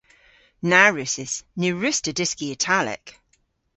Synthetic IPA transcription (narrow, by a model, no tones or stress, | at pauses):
naɹɪsɪsnʉɹɪstədɪskiətʰalɪ̰k